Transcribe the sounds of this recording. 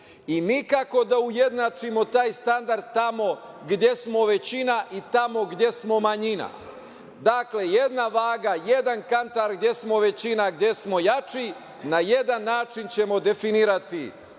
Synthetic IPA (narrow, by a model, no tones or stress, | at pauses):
inikako̞d̪auje̞d̪nat͡ʃimo̞t̪aːjst̪and̪aɾd̪t̪ːamo̞ | ɡd̪je̞smo̞ʋe̞t͡ɕinaʔit̪amo̞ɡd̪je̞smo̞maɲina̰ | d̪akle̞je̞d̪naʋaːɡaje̞d̪ankant̪aɾɡd̪je̞smo̞ʋe̞t͡ɕinaɡd̪je̞smo̞jat͡ʃi | naje̞d̪anːaːt͡ʃint͡ɕe̞mo̞d̪e̞finiːɾat̪i